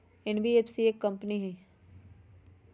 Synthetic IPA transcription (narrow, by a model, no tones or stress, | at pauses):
ɛnbʱieːpsieːkːɐ̃mpniɦɛ̃ː